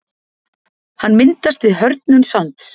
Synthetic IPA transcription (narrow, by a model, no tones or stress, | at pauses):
hanːmɪnt̪ast̪vɪðɦœɾt̪nʏnsawnt̪